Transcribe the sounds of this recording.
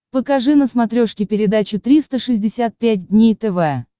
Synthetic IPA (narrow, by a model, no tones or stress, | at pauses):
pəkɐʐɨnəsmɐt̪ɾʲoʂkʲɪpʲɪɾʲɪd̪at͡ɕʊt̪ɾʲist̪əʂɨzʲdʲɪsʲat̪̚pʲæt̚ʲdʲnʲejt̪ɛvɛ